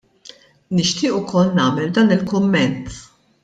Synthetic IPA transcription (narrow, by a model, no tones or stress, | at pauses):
nɪʃt̪ʰɪːʔʊkʰɔlnɐːmɛld̪ɐːnɪlkʊmːɛnt̪